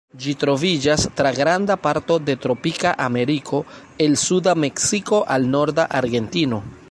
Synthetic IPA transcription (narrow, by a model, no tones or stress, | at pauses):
d͡ʒitɾo̞vid͡ʒastɾaɡɾandapaɾto̞de̞tɾo̞pikaʔame̞ɾikʰo̞ | e̞lsudame̞ksiko̞ʔalno̞ɾdaʔaɾɡe̞ntino̞